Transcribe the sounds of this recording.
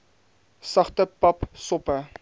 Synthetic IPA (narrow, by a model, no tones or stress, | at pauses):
sɐχtəpɐpsɔpə